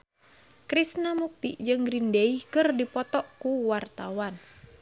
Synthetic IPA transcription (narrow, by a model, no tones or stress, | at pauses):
kɾisnamuk̚t̪ḭd͡ʒɨŋɡɾindeihkɨrdipɔt̪ɔʔkuwart̪awan